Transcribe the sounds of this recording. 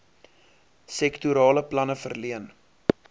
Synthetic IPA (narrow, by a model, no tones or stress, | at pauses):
sɛktuɾɑːləplɐnəfərliən